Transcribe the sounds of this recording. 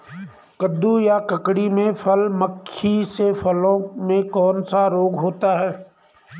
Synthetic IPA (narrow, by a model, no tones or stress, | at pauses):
kəd̪ujakɐkɽimẽfʰɐlməkʰːisefʰɐlõmẽkɔːnsaɾoːɡɦoːt̪aɦɛː